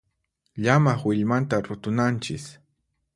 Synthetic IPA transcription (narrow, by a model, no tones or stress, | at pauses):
ʎamaχwɪʎmant̪aɾʊt̪ʊnant͡ʃɪs